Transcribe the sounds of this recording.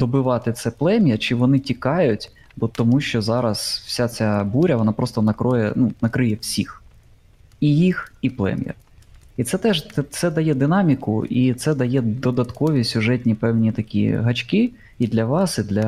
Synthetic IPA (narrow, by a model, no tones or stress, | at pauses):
d̪ɔbɪʋɑt̪ɪt̪sɛplˠɛmʲjɐt͡ʃɪʋɔnɪtʲikɑjʊtʲ | bɔt̪ɔmuʃt͡ʃɔzɑɾɐsw̥sʲat͡sʲabuɾʲɐʋɔnɑpɾɔst̪ɔnɐkɾɔjɛnunɐkɾɪjɛwsʲḭx | ijixiplˠɛ̰mʲjɐ̰it̪sɛt̪ɛʒt̪ɛsɛd̪ɐjɛd̪ɪnɑmʲikʊ̰it̪sɛd̪ɐjɛd̪ɔd̪ɐt̪kɔʋʲisʲʊʐɛtʲnʲipɛwnʲit̪ɐkʲḭɦɐt͡ʃkɪ | id̪lʲɐʋɑsid̪lʲɐ